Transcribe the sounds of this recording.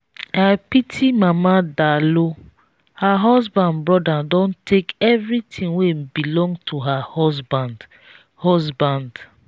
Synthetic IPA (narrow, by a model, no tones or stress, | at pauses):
ajpitʰimamadalo | haɦɔsbãndbɹɔdadɔ̃ntʰekɛvɾitʰĩnwebilɔ̃ŋɡtʰuɦaɔsband | hɔsbãnd